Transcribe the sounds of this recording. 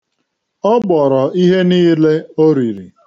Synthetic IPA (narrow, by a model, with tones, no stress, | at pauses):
ɔ˦bɔ˨ɾɔ˨i˦ɦe˦niː˦le˦o˦ɾi˨ɾḭ˨